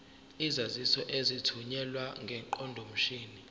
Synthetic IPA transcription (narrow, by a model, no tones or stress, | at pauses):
izazisɔʔezitʰuɲɛlwaŋɡʱɛǃɔndʱom̩ʃiːni